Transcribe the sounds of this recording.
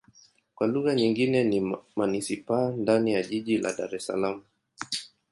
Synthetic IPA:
kwaluɣaɲiŋɡinɛnimanisipandanijaʄiʄila̰ɗa̰ɾɛsa̰lamu

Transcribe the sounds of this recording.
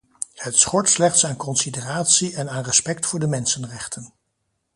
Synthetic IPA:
hətsχɔɹtslɛχtsaːnkɔnsedəraːtsiʔɛnaːnrɛspɛktfʊːɹdəmɛnsənrɛχtən

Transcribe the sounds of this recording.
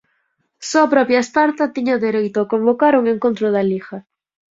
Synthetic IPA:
soɐpɾɔpjaespaɾt̪ɐt̪iɲaðeɾejt̪ʊakombokaɾuŋeŋkõnt̪ɾʊðɐlixɐ

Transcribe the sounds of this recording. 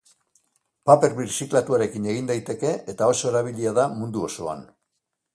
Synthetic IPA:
pape̞ɾβiɾsiklat̪uaɾe̞kine̞ɣ̞ind̪ajt̪e̞ke̞ʔet̪ao̞so̞eɾaβilʎiaðamund̪uo̞so̞a̰n

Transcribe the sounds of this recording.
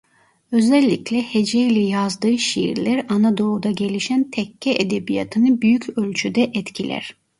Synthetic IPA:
ø̞zɛlʲːiclʲɛhed͡ʒejilʲɛjazd̪ɯːʃḭjḭɾlʲæɾanad̪o̞lˠud̪aɟe̞lʲiʃænt̪ʰɛcʰːɛʔed̪ebija̰t̪ʰɯnɯbyjycʰø̞lʲt͡ʃʰyd̪ɛʔɛt̪cʰilʲʔæ̰ɾ̥

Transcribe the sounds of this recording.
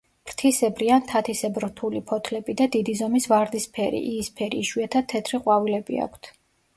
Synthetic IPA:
pɾt̪ʰisɛbɾiant̪ʰat̪ʰisɛbɾt̪ʰulipʰɔt̪ʰlɛbid̪ad̪id̪izɔmisvaɾd̪ispʰɛɾḭʔiːspʰɛɾḭːʃwiat̪ʰat̪ʰːɛt̪ʰɾiqʼwavilɛbḭa̰kʰt̪ʰ

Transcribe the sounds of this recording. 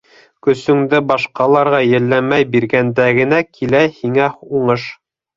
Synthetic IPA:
kɵ̆sɵ̆ŋd̪ɘbɑʃqɑlˠɑɾʁɑjɘ̆lːæmæjbiɾɡænd̪æɡɘ̆nækʰilæhiŋæuɴɤʃ

